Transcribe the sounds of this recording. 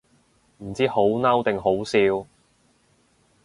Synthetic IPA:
m̩˨˩t͡siː˥ho˨˥wnɐ˥wt̪ɪ˨ŋɦo˨˥wsiː˧w

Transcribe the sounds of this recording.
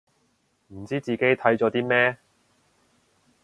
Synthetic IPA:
m̩˨˩t͡siː˥t͡siː˨ke˥jt̪ʰɐ˨˥jt͡sɔː˨˥t̪iː˥mɛː˥

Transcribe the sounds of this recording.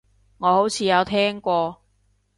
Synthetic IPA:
ŋɔː˨˧ho˨˥wt͡sʰiː˨˧jɐ˨˧wt̪ʰɛː˥ŋkʷɔː˧

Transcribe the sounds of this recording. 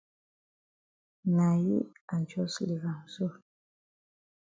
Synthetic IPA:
na˨jḭ˦a˨nt͡ʃo˦sli˨ɣa˨msu˦˨ɾ

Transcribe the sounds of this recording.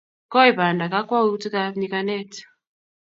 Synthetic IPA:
kɔ˦i˨ba˨nda˨ka˦kwa˦wi˦u˦ti˦ka˦ɲi˦ka˦nɛ˦˨ti̥˨

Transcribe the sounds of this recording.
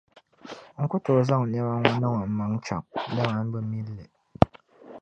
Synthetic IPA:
ŋ̩˦ku˦to˨za˦ŋ̩˨ɲa˦wa˦ŋa˨nɔ˦ŋɔ˨m̩˨ma˨ŋ˦t͡ʃa̰˨p̚da˦ŋa˨˦n̩˦bə˦mi˦lḛ˨ʔ

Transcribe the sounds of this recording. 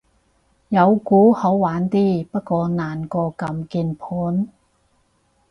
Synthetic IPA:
jɐ˨˧wkuː˨˥ho˨˥wwaː˨˥nt̪iː˥pɐ˥t̚kɔː˧naː˨˩nkɔː˧kɐ˧mkiː˧npʰuː˨˥n

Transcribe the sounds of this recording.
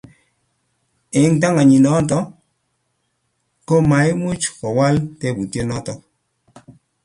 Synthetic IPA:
e˨˦ŋt̬a˦ŋa˨ɲi˨nɔ˦tɔ˦ | ko˦ma˨˦jmu˦t͡ʃkɔ˨wa˦ltɛ˦˨bu˨ti˦e˦nɔ˦tɔ˦k̚

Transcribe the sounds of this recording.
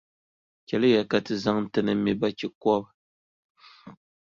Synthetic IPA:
kʲɛ˨lɨ˦ja˨ka˨tɨ˨za˦ŋn˦tɨ˨nɨ˦mi˨ba˦kʲi˨kɔ˦b

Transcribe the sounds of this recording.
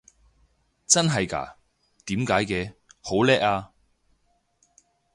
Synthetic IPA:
t͡sɐ˥nɦɐ˨jka̰ː˨˩ | t̪iː˨˥mkaː˨˥jkɛː˧ho˨˥wlɛː˥k̚aː˧

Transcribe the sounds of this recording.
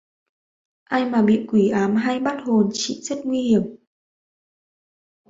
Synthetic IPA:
ʔaː˧jmaː˨˩ɓḭ˧˨kwi˧˩ʔaː˨˦mɦa˧jɓa˦˥t̚ho˨˩nt͡ɕḭ˧˨zə˦˥t̚ŋwi˧hi˧˩əm

